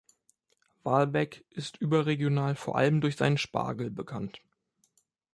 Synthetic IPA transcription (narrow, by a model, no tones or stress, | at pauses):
vaːlbɛkʔɪstʔyːbɐʁeɡjonaːlfoːɐʔa̰ləmdʊɐçz̥aɪnənʃpa̰ːɡl̩bəkʰant